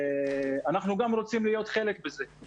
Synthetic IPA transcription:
anaχnuɡamɾo̞t͡simlijo̞t̪χe̞le̞kbeze̞

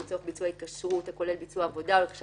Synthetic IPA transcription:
it͡soχbit͡suait̪̚kaʃʁut̪ako̞le̞lbit͡suaːvo̞daolekḁʃ

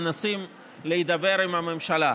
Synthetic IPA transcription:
nasim | leid̪abe̞ʁimhame̞mʃala

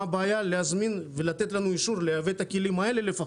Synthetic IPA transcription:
abaːjaleazminvelat̪e̞t̪lanuiʃuʁlejavet̪akilimae̞le̞le̞fa

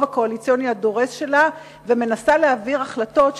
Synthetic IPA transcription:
vako̞alit͡sjo̞niado̞ʁesʃe̞la | veme̞nasaleaviʁaχlato̞tʃ

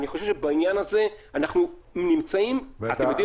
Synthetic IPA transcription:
niχo̞ʃevʃebainjanaze̞anaχnu | nimt͡saimat̪emjodi

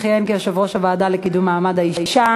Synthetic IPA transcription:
χjenkiaʃavʁoʃavaːd̪alekid̪umːaːmad̪aiiʃa

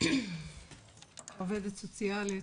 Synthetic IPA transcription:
oved̪et̪sot͡sjali

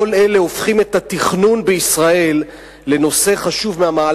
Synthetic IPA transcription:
ole̞le̞o̞fχime̞t̪at̪iχnunbeisʁae̞lː | e̞no̞se̞χaʃuvmeamaː

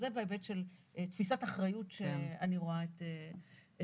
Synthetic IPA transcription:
zebeebetʃelt̪fisataχʁajutʃeaniʁoaete

